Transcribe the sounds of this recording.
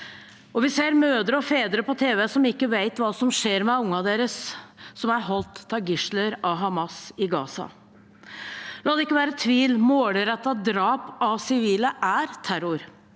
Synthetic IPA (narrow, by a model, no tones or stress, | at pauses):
ʔɔʋɪseːɾmøːd̪əɾəɔfeːd̪əɾəpɔt̪ʰeːʋɛsɔmɪkːəʋæɪt̪ʋɑːsɔmʂeːɾmɛʊŋːɑd̪eːɾəsːɔmæɾɦɔlt̪ʰːɑɡɪʂləɾɑɦɑmɑsɪɡɑːsɑ̰ | lɑːd̪ɛɪkːəʋæːɾət̪ʰʋiːlmoːləɾɛt̪ːɑd̪ɾɑːpɑsɪʋiːləʔæɾt̪ʰæɾʊɾ